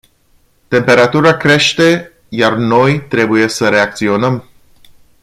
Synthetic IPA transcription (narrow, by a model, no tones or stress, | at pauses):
t̪e̞mpe̞ɾat̪uɾakɾe̞ʃt̪e̞ | jarno̞jt̪ɾe̞buje̞səɾe̞akt̪sio̞nəm